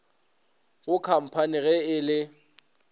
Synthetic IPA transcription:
ɣʊkʰam̩pʰaniɣɛɪlɪ

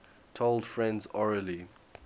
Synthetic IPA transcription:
tʰoʊlˠd̥fɹɛ̃ndzɔɹəli

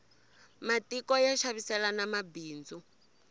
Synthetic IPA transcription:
matikɔjaʃaβisɛlanamabiːnd͡zu

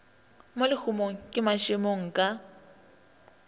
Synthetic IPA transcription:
molɪk͡xʰumoŋ̩kʼɪmaʃɪmoŋ̩kʼa

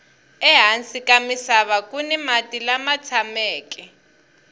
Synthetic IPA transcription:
ɛɦansikamisaβakunɛmatʼilamat͡sʰamɛːkʼɛ

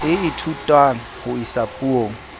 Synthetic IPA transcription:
ɪitʰutʼwaŋ̩hʊisapʼuoːŋ̩

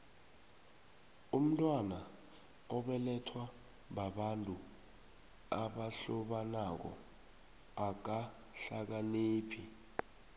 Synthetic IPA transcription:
um̩tʼwana | ɔɓɛlɛtʰwa | ɓaɓantʼu | aɓaɬɔɓanak̬ɔ̰ | ak̬a | ɬak̬aniːpʰi

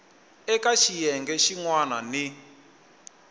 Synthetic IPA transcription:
ɛkaʃijɛŋɡɛʃiŋwanani

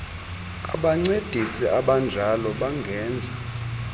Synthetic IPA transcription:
a̰ɓaŋ͡ǀed̥ʱisiʔaɓand͡ʒʱalɔɓaŋɡʱɛːnd͡zʱa

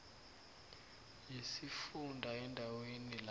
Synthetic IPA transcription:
jisifundʱaɛndʱawenila

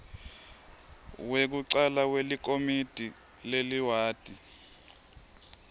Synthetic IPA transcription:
wek̬uǀalak̬welik̬omid̥ʱi | leliwaːd̥ʱi

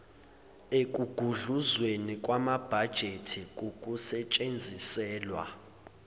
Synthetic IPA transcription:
ek̬ʼuɡ̥ʱuɮuzwenik̬ʼwamab̥ʱad̥ʒ̥ʱetʰik̬ukʼusɛt͡ʃʼend͡zʱisɛːlwa̰

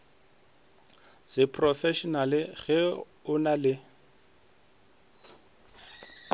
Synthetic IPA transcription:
sɪpʰʼrɔfɛʃɔnalɪɣɛ | ʊnalɪ

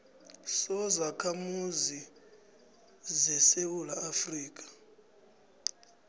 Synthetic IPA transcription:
sɔzakʰamuzi | zɛsewulaːfriːk̬ʼḁ

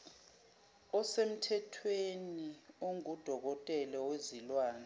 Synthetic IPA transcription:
ɔsem̩tʰɛtʰwenioŋud̥ʱɔk̬ɔtʼɛlɛwezilwaːnɛ

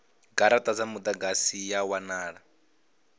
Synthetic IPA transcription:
ɡaɾatʼad͡zamud̪aɡasijawanaːɺa

